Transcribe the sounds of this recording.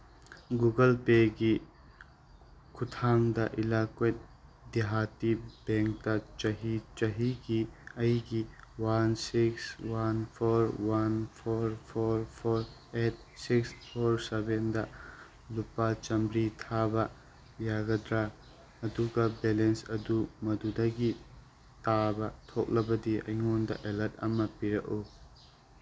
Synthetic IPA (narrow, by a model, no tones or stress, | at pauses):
ɡuɡəlpeɡi | kʰʊt̪ʰaːŋd̪aʔɪlaːket̪ | d̪iɦaːt̪ibẽːŋk̚t̪at͡ʃaɦit͡ʃaɦikiɐikiwansɪkswanpʰoːɾwanpʰoːɾpʰoːɾpʰoːɾet̚sikspʰoɾsebendɐ | lupːat͡ʃɐmbɾitʰabɐ | jaɡɐdɾa | ɐduɡɐbelensɐdumɐdudɐɡi | tabɐtʰok̚lɐbɐdiɐ̰jŋondɐ̰ʔelɐt̚ɐ̰mɐpiɾɐku